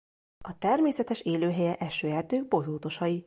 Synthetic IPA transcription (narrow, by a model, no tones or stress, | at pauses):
ɒt̪ɛrmeːsɛt̪ɛʃeːløːɦɛjɛʔɛʃøːɛrt̪øːɡ̚bo̞zoːt̪o̞ʃɒji